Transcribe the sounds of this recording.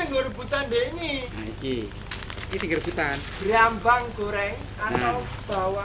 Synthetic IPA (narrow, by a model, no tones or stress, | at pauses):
əŋərbut̪andeŋiaiki | kisiŋɡərb̥ut̪anɡ̥ɾiambaŋɡoɾɛ | ana | b̥awa